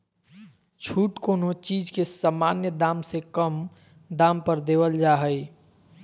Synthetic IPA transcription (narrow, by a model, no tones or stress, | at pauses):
t͡ʃʰuːʈkoːnot͡ʃiːd͡ʒkesamaːnjəd̪aːmsekəm | d̪aːmpəɾd̪eːʋəld͡ʒaːɦəj